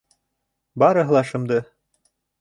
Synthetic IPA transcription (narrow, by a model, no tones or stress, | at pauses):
bɑɾɤ̆ɦɤlˠɑʃɤ̆md̪ɤ